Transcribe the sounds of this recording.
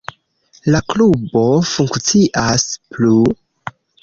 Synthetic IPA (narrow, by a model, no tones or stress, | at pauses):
laklubo̞fuŋkt͡siʔasplu